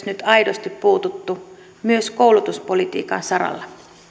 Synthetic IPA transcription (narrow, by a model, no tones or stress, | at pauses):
snyt̪ɑjdost̪ippuːt̪ut̪ːu | myøskoulut̪uspolit̪ḭːkɑ̰nsɑɾɑ̰lːɑ